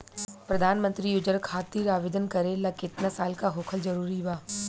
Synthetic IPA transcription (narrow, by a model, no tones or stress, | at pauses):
pɾɐd̪ʱaːnmə̃nt̪ɾiʊd͡ʒəɾkʰaːt̪iːɾaːʋeːd̪ənkɐɾelakɪt̪nasaːlkaɦoːkʰəlzɐɾuːɾibaː